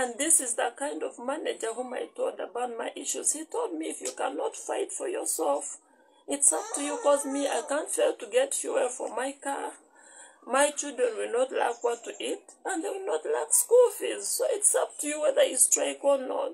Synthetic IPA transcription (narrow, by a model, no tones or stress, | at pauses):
ɨ̃nðɪsɪzðəkãɪ̃ndɔvmænɛd͡ʒə˞ɦũma̰ɪtʰoldəbaʊt̚maɪʔiʃuz̥hitʰolˠd̚miːfjukæ̰nɔtfaɪtfɔ˞jɔ̰˞sɛlˠf | ɪtsʌp̚tʰujukɔzmia̰ɪkæ̃ntfelˠtuɡɛtfjuɛɹfɔ̰˞maɪkaɹ | maɪt͡ʃɪlˠdɹə̃nwɪlnɔtla̰kwɔtʰːuʔit̚ə̃nðeɪwɪlnɔtlakskulˠfizsoʊɪtsʌp̚tʰujuwɛðə˞istɹ̥eɪkɔ˞nɔ̰t̚